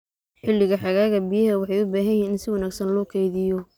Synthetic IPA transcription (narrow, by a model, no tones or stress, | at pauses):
ħɪlːɪɣɐħɑɣaːɣɐbijɐɦɐwɑħɑjʊbaːɦɐjiːnɪnsɪwɑnaːɡsɐnlɔːkʰɛjðɪjɔ